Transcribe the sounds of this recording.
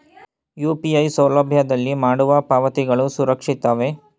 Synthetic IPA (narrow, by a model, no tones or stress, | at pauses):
juːpiɐjsɐwlɐbʱjɐd̪ɐlːimaːɽuʋɐpaːʋɐt̪iɡɐɭusuɾɐkʂit̪ːaːʋe